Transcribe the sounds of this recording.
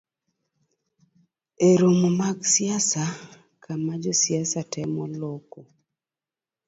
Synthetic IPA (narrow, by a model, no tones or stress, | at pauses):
eɾomomaɡsɪasa | kʰamad͡ʒɔsjasatɛmɔloko